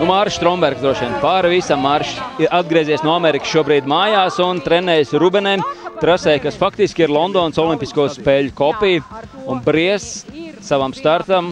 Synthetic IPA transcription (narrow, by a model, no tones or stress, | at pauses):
unmaɾʃst̪ɾɔmbɛɾɡzd̪ɾuɔʃiɛnpaːɾvisamːaɾʃiʔad̪̚ɡɾiɛziɛsnuɔamɛɾiksʃuɔbɾiːd̪maːjaːsunt̪ɾɛnɛːjsɾubɛnɛjmt̪ɾasɛjkasfakt̪iskʲiɾlˠɔnd̪ɔːnsɔlˠimpiskuɔspɛːʎʲkɔpijunbɾiɛsːaʋamst̪aɾt̪am